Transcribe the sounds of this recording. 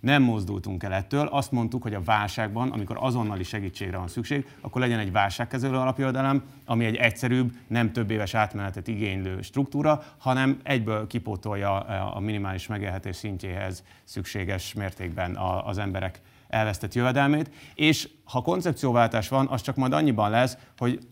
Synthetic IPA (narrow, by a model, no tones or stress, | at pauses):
nɛmːo̞zd̪ṵlt̪uŋkɛlɛt̪ːøːlʔɒst̪mo̞nt̪ukhoɟɒvaːlʃaːɡbɒnʔɒ̰miko̞̰ɾɒzo̞nːɒliʃɛɡiːt͡ʃːeːɡɾɛvɒnsykʃeːɡ | ɒkːo̞rlɛɟɛnɛɟvaːlʃaːkːɛzɛløːɒlɒpjøvɛd̪ɛlɛm | ɒmiɛɟɛcsɛɾyːbnɛmt̪ø̞bːeːvɛʃaːt̪mɛnɛt̪ɛt̪iɡeːɲløːʃt̪ruk̚t̪uːɾɒ | hɒnɛmɛɟbøːlkipoːt̪o̞jɒ̰ːminimaːliʃmɛɡeːlɦɛt̪eːʃsiɲceːɦɛ̰z | sykʃeːɡɛʃmeːrt̪eːɡ̚bɛnɒ̰ːzɛmbɛɾɛk | ɛlvɛst̪ɛt̪jøvɛd̪ɛlmeːt̪eːʃ | hɒko̞nt̪sɛpt̪sijoːvaːlt̪aːʃʋɒnʔɒst͡ʃɒkmɒjd̪ɒɲːibɒnlɛsho̞ɟ